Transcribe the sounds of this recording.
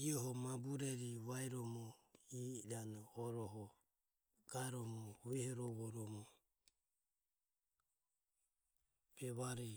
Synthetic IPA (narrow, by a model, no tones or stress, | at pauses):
iɔɦɔmabuɾɛɾiβajɾɔmɔidanɔːɾɔɦɔ | ɡ̥aɛɾɔmɔuβɛhɔɾɔβɔɾɔmɔ | b̥ɛβaɾɛ